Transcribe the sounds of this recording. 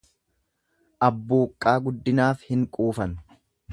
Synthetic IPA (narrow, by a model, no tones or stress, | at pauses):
ʔɐbːuːkʼːaːɡʊd̪ːɪnaːfhɪŋkʼuːfɐn